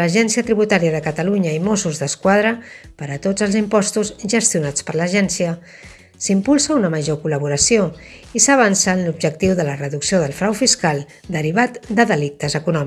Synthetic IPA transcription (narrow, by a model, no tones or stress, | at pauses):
əʒɛnsiət̪ɾiβut̪aɾiəðəkət̪əluɲəimosuzðəskwað̞ɾəpəɾət̪od͡zəlˠzimpɔst̪uzʒəst̪iunat͡spəɾləʒɛnsiə | simpulˠsəunəməʒokuləβuɾəsioisəβ̞ansəːnlubʒək̚t̪iwðələrəðuksioðəlˠfɾawfiskalˠ | d̪əɾiβ̞at̪d̪əðəlik̚t̪əzəkunɔmi